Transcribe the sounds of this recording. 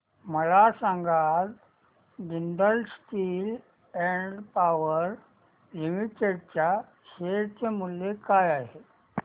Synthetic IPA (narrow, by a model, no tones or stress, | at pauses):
məlasãŋɡat̪ | ɡinɖ̪əlsʈiːl | ɛ̃ɳɖpaʋəɾ | limiʈeɖt͡ɕja | ɕeɾt͡semuljekajaɦe